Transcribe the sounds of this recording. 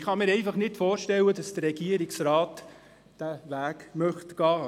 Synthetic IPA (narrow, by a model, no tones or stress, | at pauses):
χɑmiːɾɛɪfɑχnɪtfoːɾʃtɛlːədɑsd̥ərːɛɡ̥iəɾɪksɾɑːt | d̥ævæːkmœχtɡ̥ɑː